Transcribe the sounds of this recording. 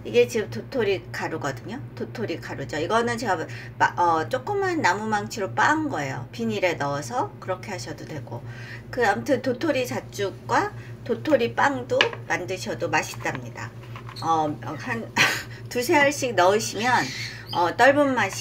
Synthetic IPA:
iɡe̞t͡ɕiɯmtotʰoɾikaɾuɡʌdɯɲototʰoɾikaɾud͡ʑoiɡʌnɯnt͡ɕe̞ɡa | mʌt͡ɕ͈ok͈ɯmanːamumaŋt͡ɕʰiɾop͈aŋnɡʌe̞jo̰piɲiɾe̞nʌːsʰʌkɯɾʌkʰe̞ɦaɕʰʌdodwe̞ɡ̥o̰ | kɯamtʰɯntotʰoɾit͡ɕat͡ɕ͈uk̚ɡ͈watotʰoɾip͈aŋdomandɯɕʰʌdomaɕʰi̥t͈amɲida̰ | ʌʌhan | tusʰe̞aɭɕ͈ik̚nʌɯɕʰimjʌn | ʌt͈ʌɭbɯmːaɕ

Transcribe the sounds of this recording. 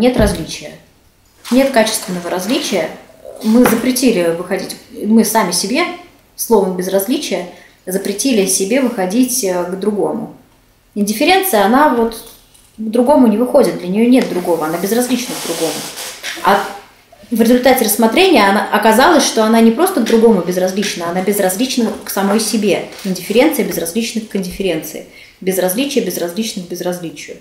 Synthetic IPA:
nʲe̞t̪rɐzʲlʲit͡ɕɪjə | nʲe̞t̪kat͡ɕɪ̥st̪vʲɪnːəvəɾɐzʲlʲit͡ɕɪjə | mɨzəpɾʲɪtʲilʲɪvɨxɐdʲitʲmɨsamʲɪsʲɪbʲe̞ | slˠo̞vəmbʲɪzrɐzlʲit͡ɕɪjə | zəpɾʲɪtʲilʲɪsʲɪbʲe̞vɨxɐdʲitʲəɡd̪ɾʊɡo̞mʊ̰ | ɪnʲdʲɪfʲɪɾʲe̞nt̪sɨjəɐnavo̞t̪ | ɡd̪ɾʊɡo̞mʊnʲɪvɨxo̞dʲɪt̪̚d̪lʲənʲɪjonʲe̞t̪̚d̪ɾʊɡo̞vəɐnabʲɪzrɐzʲlʲit͡ɕnəɡd̪ɾʊɡo̞mʊ̰a | vɾʲɪzʊlʲt̪atʲɪrəsːmɐt̪ɾʲenʲɪjəɐnaʔɐkɐzalˠəsʲʂt̪oɐnanʲɪpɾo̞st̪əɡ̚d̪ɾʊɡo̞mʊbʲɪzrɐzʲlʲit͡ɕnəɐnabʲɪzrɐzʲlʲit͡ɕnəvəksɐmo̞jsʲɪbʲe̞ɪnʲdʲɪfʲɪɾʲe̞nt̪sɨjəbʲɪzrɐzʲlʲit͡ɕnɨkɨnʲdʲɪfʲɪɾʲe̞nt̪sɨ̰ɪ | bʲɪzrɐzʲlʲit͡ɕɪjəbʲɪzrɐzʲlʲit͡ɕnɨxbʲɪzrɐzʲlʲit͡ɕɪjʊ

